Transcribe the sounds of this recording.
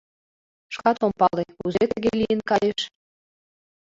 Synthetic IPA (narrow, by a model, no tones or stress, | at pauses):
ʃkɑt̪ompɑleuzet̪ə̆ɣeliənkɑjeʃ